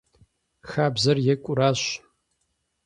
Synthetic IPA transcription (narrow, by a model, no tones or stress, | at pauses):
xaːbzɐrjɛkʷʼʊɾaːɕ